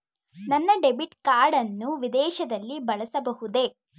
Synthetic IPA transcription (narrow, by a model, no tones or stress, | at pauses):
nɐnːɐɖebiʈkaːɾɽɐnːuʋid̪ɛːʃɐd̪ɐlːibɐɭɐsɐbɐɦud̪e̞